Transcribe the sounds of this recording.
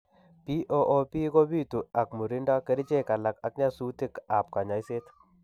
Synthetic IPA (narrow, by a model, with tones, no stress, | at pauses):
pi˦ʔo˦ʔo˦pi˦ko˦bi˦tu˨a˨k̚mu˨ɾi˦nda˦ke˦ɾi˦t͡ʃe˦˨ka˨la˨ka˨k̚ɲa˦su˦ti˦ka˨p̚ka˨ɲa˨i˦se˦t